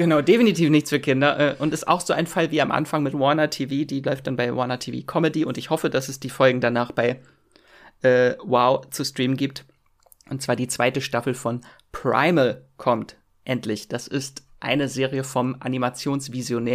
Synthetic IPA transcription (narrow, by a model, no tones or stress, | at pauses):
ɡ̥ənaʊdefinitiːfnɪçt͡sfyːɐkʰɪndɐʔɛːʔʊntɪsta̰ʊxz̥oːʔaɪnfalviːamʔa̰nfaŋmɪtwɔnɐtʰiːviːdiːlɔʏft̚d̥anbaɪwʔɔnɐtʰiːvḭːkʰɔmədiʔʊntɪçhɔfədasɛsd̥iːfɔlɡŋ̩danaːχb̥aɪ | ʔɛːwaʊt͡sustʁ̥iːmən̩ɡiːp̚t | ʔʊnt̚t͡sv̥aːɐdiːt͡sv̥aɪtəʃtafl̩fɔn | pʁ̥a̰ɪməkʰɔmt | ʔɛntʰlɪçd̥asɪstʔa̰ɪnəzeːʁiəfɔmʔa̰nimat͡sjoːnsv̥izjonɛː